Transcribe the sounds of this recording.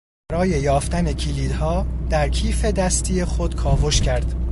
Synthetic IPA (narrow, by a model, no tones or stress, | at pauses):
æɾɒːje̞jɒːft̪ænecʰiliːd̪hɒːd̪̥æɾcʰiːfe̞d̪æst̪ʰiːexo̞d̪̥kʰɒːvo̞ʃcʰæɾd̪̥